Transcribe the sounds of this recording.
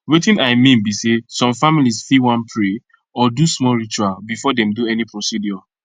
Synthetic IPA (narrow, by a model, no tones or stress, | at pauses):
wetĩnaɪmĩnbisesɔ̃mfamilisfiwãnpʰɹe | ɔdusmɔɹit͡ʃualbifɔdɛ̃mduɛnipɹosidjɔ